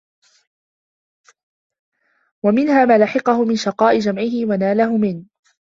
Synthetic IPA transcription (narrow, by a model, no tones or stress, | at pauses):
wamɪnhaːmaːlaħɪqɑhʊmɪnʃɑqɑːʔɪd͡ʒamʕɪhɪwanaːlaɦʊmɪn